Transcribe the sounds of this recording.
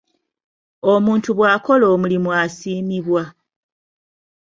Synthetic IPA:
omuːntuβwaːko̞lo̞ːmulimwasiːmiβwa

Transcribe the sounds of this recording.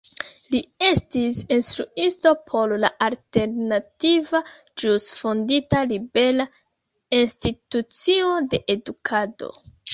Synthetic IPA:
lie̞stisinstɾuisto̞pʰo̞llaʔalte̞ɾnativa | d͡ʒusfonditalibe̞la | institut͡sio̞de̞ʔedukʰado̞̰

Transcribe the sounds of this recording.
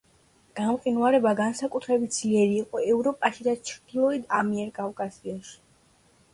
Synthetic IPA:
ɡ̥amqʼinuaɾɛbaɡansakʼut̪ʰɾɛbit̪̚d̪z̥liɛɾiːqʼɔɛvɾɔpʼaʃid̪at͡ʃʰɾd̪̥ilˠɔid̪amiɛɾkʼavkʼasiaʃi̥

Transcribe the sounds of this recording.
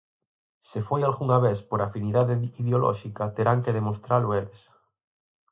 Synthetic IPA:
sefojalɣuŋaβeθpoɾafiniðaðeiðeolɔ̰ʃikat̪eɾaŋkeðemost̪ɾalʊeles

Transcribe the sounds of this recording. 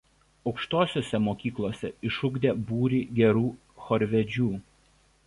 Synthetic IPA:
ɒʊkʃt̪oːsʲoːsʲɛmoːkʲiːklˠoːsʲɛɪʃʊɡd̪ʲeːbuːɾʲiːɡʲɛɾuː | xɔɾʲʋʲɛd͡ʒʲuː

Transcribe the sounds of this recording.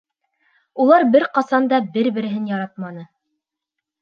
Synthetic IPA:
ulˠɑɾbɘɾqɑsɑnd̪ɑbɘɾbɘ̆ɾɘ̆ɦɘnjɑɾɑt̪̚mɑnɤ

